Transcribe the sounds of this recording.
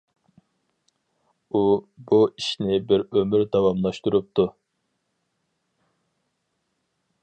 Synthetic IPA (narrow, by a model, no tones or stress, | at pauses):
ubuiʃnɪbɪɾømyɾd̪ɑwɑmlˠɑʃt̪uɾup̚t̪ʰu